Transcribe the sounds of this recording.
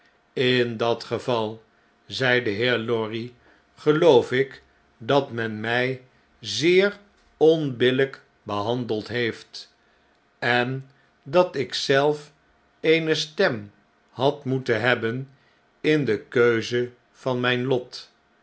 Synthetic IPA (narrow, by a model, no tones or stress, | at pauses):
ɪndɑtχəvɑlˠ | zɛjdəɦɪːɹlɔɹi | χəlowfɪk | dɑtmɛnmɛj | zɪːɹ | ɔnbɪlək | bəɦɑndəlˠtɦejft | ɛn | dɑtɪksɛlˠf | ejnəstɛm | hɑtmutənɦɛbən | ɪndəkøɥzə | v̥ɑnmɛjnlɔt